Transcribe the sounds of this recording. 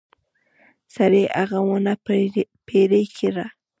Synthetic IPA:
saɾeʔɑɢɑwʊnapeɾɪjkʰɪɾa

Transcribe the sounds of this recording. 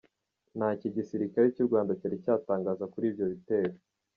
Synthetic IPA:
naːciɟisiɾikaɾecuɾɡwaːndacaɾicaːtaːŋɡaːzakuɾiːbɟo̞βite̞ːɾo

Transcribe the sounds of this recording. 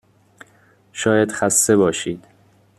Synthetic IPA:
ʃɒːjæd̪̥xæst̪e̞bɒːʃiːd̪̥

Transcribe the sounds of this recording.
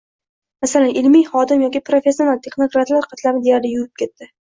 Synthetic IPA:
masalanʔɪlmijχɒd̪ɪmjɒkʲipɾo̞fʲe̞sʲːio̞nalt̪ʰe̞χno̞kɾat̪laɾqʰɑt̪lamɪd̪e̞jaɾlɪjʊɾɪp̚kʲʰe̞t̪ːɪ

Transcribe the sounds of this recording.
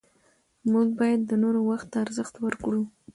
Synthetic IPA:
muɡ̚bɑjad̪ːənoɾowaxt̪ːaːɾzəxt̪wəɾkɽu

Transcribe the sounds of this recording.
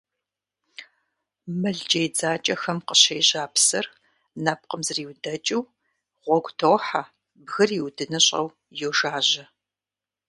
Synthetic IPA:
mɨɮd͡ʒʼejd͡zaːt͡ʃʼɐxɐmqəɕejʑaːpsɐr | nɐp̚qəmzɨriːwdɐt͡ʃʼɪw | ʁʷɔɡʷʼtʰowħa | bɣɨriwdɨnɨɕʼɐ̰w | jowʒaːʑɐ

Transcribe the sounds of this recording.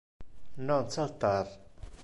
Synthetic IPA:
nan̥t͡sʰalht̪ar

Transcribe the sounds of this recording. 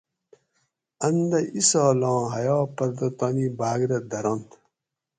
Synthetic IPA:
ɐnd̪ɐisɔːlɑ̃ːɦɐjoːpɐɾd̪ɐt̪ɐnibaːɡɾɐd̪ɐɾɐnt̪

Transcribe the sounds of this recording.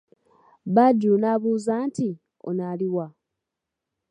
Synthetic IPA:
βaɟːuːnaːβuːzaːnti | o̰naliwa

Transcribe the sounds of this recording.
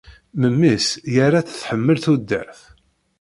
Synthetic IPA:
məmːisjaɾat͡sθħəmːəlθud̪ːə̰ɾθ

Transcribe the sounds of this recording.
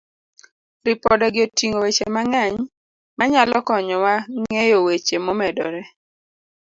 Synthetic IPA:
ɾɪpɔdɔɡɪotiŋowet͡ʃemaŋaɲ | maɲalɔkɔɲɔwaŋejowet͡ʃemɔmɛdɔɾɛ

